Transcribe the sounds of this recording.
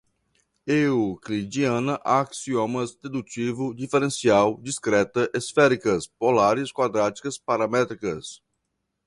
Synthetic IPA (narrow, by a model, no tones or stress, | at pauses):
euklid͡ʒiɐ̃nɐʔaksiomɐsd̪ed̪ut͡ʃivʊd͡ʒifeɾẽsiawd͡ʒiskɾɛt̪ɐʔesfɛɾikɐspolaɾɪskwad̪ɾat͡ʃi̥kɐspaɾɐmɛt̪ɾikɐs